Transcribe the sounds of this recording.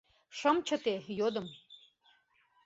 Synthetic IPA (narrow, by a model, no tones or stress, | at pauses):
ʃə̆mt͡ɕə̆t̪ejod̪ə̆m